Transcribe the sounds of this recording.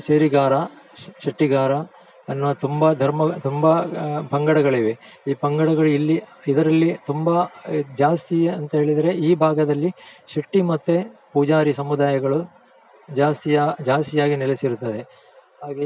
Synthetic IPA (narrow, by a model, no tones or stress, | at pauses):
ʃeːɾiɡaːɾɐ | ʃɐʈːiɡaːɾɐ | ɐnːʋɐt̪umbɐd̪ʱɐɾmɐt̪umbɐpɐŋɡɐɽɐɡɐɭiʋe | iːpɐŋɡɐɽɐɡɐɭuilːiid̪ɐɾɐlːit̪umbɐd͡ʒaːst̪iɐnt̪ɐɦe̞ːɭid̪ɐɾe̞iːbʱaːɡɐd̪ɐlːiʃɐʈːimɐt̪ːepud͡ʒaːɾisɐmud̪aːjɐɡɐɭu | d͡ʒaːst̪ijad͡ʒaːst̪ijaːɡinɛlesiɾut̪ːɐd̪e̞ | ɦaːɡe